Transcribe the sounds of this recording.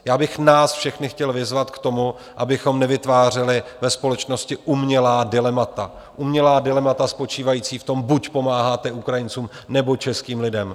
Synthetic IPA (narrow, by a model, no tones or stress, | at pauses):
jaːbɪxnaːsfʃɛxnɪxcɛlvɪzvat̪kt̪o̞mu | ʔabɪxo̞mnɛvɪt̪vaːr̝ɪlɪvɛspo̞lɛt͡ʃno̞scɪʔumɲɛlaːdɪlɛmat̪a | ʔumɲɛlaːdɪlɛmat̪aspo̞t͡ʃiːvajiːt͡siːft̪o̞mbucpo̞maːɦaːt̪ɛʔukɾajɪnt͡suːmnɛbo̞t͡ʃɛskiːmlɪdɛm